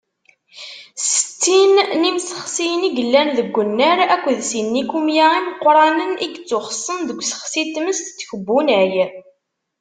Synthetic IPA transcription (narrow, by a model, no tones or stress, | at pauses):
sə̥t͡sːinnimsə̥χsijniɡəlːænðəɡʷːənːəɾækʷːðsinːikumjaimqːɾˤɑnəniɡt͡sːʊχəsˤːənðəɡʷsə̥χsit̪məst̪t͡sːçəbːunəʕj